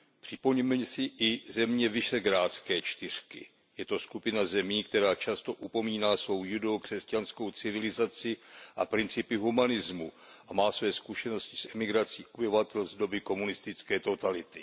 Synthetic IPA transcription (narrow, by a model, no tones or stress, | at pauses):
pr̝̥ɪpoɲɛmɛsɪʔɪzɛmɲɛvɪʃɛɡɾaːt͡skɛːt͡ʃt̪ɪr̝̥kɪ̰ | jɛt̪o̞skupɪnazɛmiːkt̪ɛɾaːt͡ʃast̪o̞ʔupo̞miːnaːsvo̞wjudokr̥ɛscansko̞wt͡sɪvɪlɪzat͡sɪʔa̰pɾɪnt͡sɪpɪɦumanɪzmu | ʔamaːsvɛːskuʃɛno̞scɪ̥sʔɛmɪɡɾat͡siːʔobɪvat̪ɛlzdo̞bɪko̞munɪst̪ɪt͡skɛːt̪o̞t̪alɪt̪ɪ